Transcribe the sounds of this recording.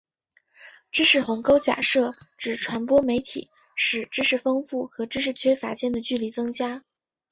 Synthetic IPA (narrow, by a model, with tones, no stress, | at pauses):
ʈ͡ʂɻ̩˥ʂɻ̩˥˩xʊ˧˥ŋko˥ʊt͡ɕja̰˨˩ʂɤ˥˩ʈ͡ʂɻ̩˨˩ʈ͡ʂʰwa˧˥npwɔ˥me˧˥ɪt̪ʰḭ˨˩˦ | ʂɻ̩˥˩ʈ͡ʂɻ̩˥ʂɻ̩˥˩fɤ˥ŋfu˥˩xɤ˧˥ʈ͡ʂɻ̩˥ʂ̬ɻ̩˥˩t͡ɕʰɥɛ˥fa̰˧˥t͡ɕjɛ˥˩nd̪ə˩t͡ɕy˥˩li˨˥˩t͡sɤ˥ŋt͡ɕja˥